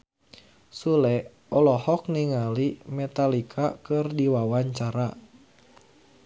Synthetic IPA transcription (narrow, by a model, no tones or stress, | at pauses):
sulɛ | ɔlɔhɔk̚niŋalimɛt̪alikʰakɨrdiwawaɲt͡ʃaɾa